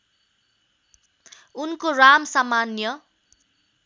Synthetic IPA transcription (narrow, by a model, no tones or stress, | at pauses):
unkoramsamanjʌ